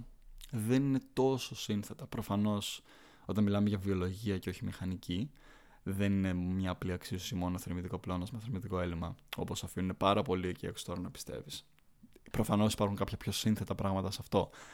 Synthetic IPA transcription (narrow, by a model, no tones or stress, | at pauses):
ðe̞nine̞t̪o̞so̞sinθe̞t̪ɐpɾo̞fɐno̞s | o̞t̪ɐnmilɐme̞ʝɐvio̞lo̞ʝiɐceoçimixɐnici | ðe̞nine̞mɲɐːpliɐksiosimo̞noθeɾmit̪iko̞plo̞nɐzmeθeɾmit̪iko̞e̞limɐo̞po̞sɐfiunine̞pɐɾɐpo̞liceḛkst̪o̞ɾɐnɐpi̥st̪e̞̰vis | pɾofɐno̞si̥pɐɾxuŋkɐpçɐpço̞sinθe̞t̪ɐpɾɐɣmɐt̪ɐsɐft̪o̞